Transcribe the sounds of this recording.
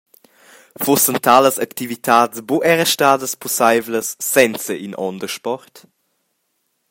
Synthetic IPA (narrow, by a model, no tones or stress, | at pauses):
vosəntʰaləsɐktivitʰaːdt͡sboʔɛʁəʃtaːdəspʰɔsajvləsːɛnt͡səʔinʔɔ̰ndəʃpɔʁt